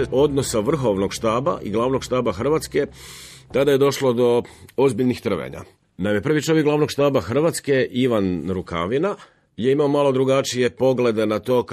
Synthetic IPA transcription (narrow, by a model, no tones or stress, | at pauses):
o̞d̪no̞saʋr̩xo̞ʋno̞ɡʃt̪aːba̰ʔḭɡlˠaːʋno̞ɡʃt̪aːbaxr̩ʋaːt̪ske̞t̪ad̪aje̞d̪o̞ʃlo̞d̪o̞o̞zbiʎnixt̪r̩ʋḛɲa̰ | namjepr̩ʋit͡ʃo̞ʋjekɡlaːʋno̞ɡʃt̪aːbaxr̩ʋat̪ske̞ʔiʋanɾuka̰ʋina | jeimaomalˠo̞d̪ɾuɡat͡ʃije̞po̞ɡle̞d̪e̞nat̪o̞ːk